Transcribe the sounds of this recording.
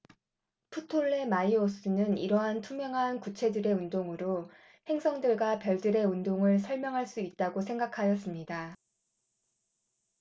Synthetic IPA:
pʰutʰoɭːe̞maios͈ɯnɯniɾʌɦantʰumjʌŋɦankut͡ɕʰe̞dɯɾe̞undoŋɯɾo | he̞ŋsʰʌŋdɯɭɡwapjʌɭdɯɾe̞undoŋɯɭsʰʌɭmjʌŋɦaɭs͈uit̚t͈aɡosʰe̞ŋɡakʰajʌs͈ɯmɲida

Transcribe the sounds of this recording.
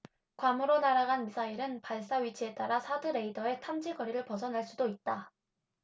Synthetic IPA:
kwamɯɾonaɾaɡanmisʰaiɾɯnpaɭs͈aɥit͡ɕʰie̞t͈aɾasʰadɯɾe̞idʌe̞tʰamd͡ʑiɡʌɾiɾɯɭpʌsʰʌnɦaɭs͈udoit̚t͈a

